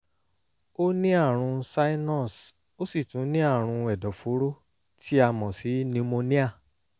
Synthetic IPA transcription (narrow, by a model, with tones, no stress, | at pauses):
o˦nĩ˦a˦˨ɾ̃ũ˧sa˦i˦nɔ˦˨s | o˦si˦˨tũ˨˦nĩ˦a˦˨ɾ̃ũ˧ɛ˨dɔ˨fo˨˦ɾo˦ | tʰi˦a˧mɔ̃˨si˨˦nĩ˧mo˧nĩ˦a˦˨